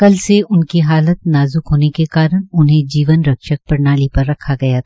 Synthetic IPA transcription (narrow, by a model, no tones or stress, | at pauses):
kɐlseʔʊnkiɦaːlət̪̚naːzʊkɦoːnekekaːɾəɳʊnɦẽd͡ʒiːʋənɾɐkʃək̚pɐɾnaːlipɐɾːɐkʰaɡɐjat̪ʰː